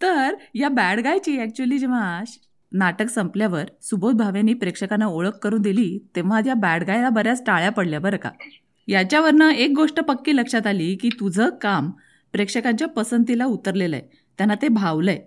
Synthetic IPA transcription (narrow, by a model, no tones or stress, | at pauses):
t̪əɾjabæɽɡajt͡ɕiːæk̚t͡ɕuəliːd͡ʑeʋaɕ | naʈəksəmpljaʋəɾsubʱot̪̚bʱaʋjanːiːpɾekʂəkanaoɭəkːəɾuːnd̪iliːt̪ẽʋ̤at̪jabæɽɡajlabəɾjat͡sʈaɭjapəɽljabəɾka̰ | jat͡ɕjaʋəɾnəek̚ɡoʂʈəpəkːiːləkʂat̪aliːkiːt̪ud͡zʱəkam | pɾekʂəkãɲt͡ɕjapəsənt̪̬ilaut̪əɾlelə̰j | t̪janːat̪ebʱaʋləj